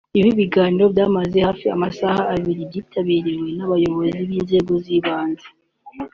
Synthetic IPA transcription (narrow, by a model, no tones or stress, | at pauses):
iβiβiɡaːniɾo̞bjaːmaze̞haːfia̰masahaːβiɾibɟiːtʰaβiːɾiwe̞naβajo̞βo̞ziβiːnze̞ːɡo̞ziβaːnze